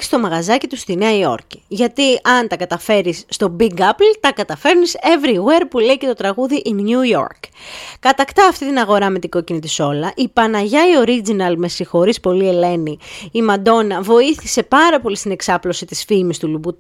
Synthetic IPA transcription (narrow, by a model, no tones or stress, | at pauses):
st̪o̞mɐɣɐzɐcit̪ust̪ineɐio̞̰ɾci̥ʝɐt̪iɐnt̪ɐkɐt̪ɐfe̞ɾisːt̪o̞biɡɐplt̪ɐkɐt̪ɐfe̞ɾnise̞vɾiwe̞ɾpule̞ice̞t̪o̞t̪ɾɐɣuðiʔinjujo̞̰ɾkkɐt̪ɐkt̪ɐːft̪it̪inɐɣo̞ɾɐme̞t̪iɡo̞cinit̪iso̞lɐʔipɐnɐʝɐio̞ɾid͡zinɐlme̞sixo̞ɾispo̞lie̞le̞niimɐd̪o̞nɐvo̞iθise̞pɐɾɐpo̞list̪ine̞ksɐplo̞sit̪isfimist̪ulubu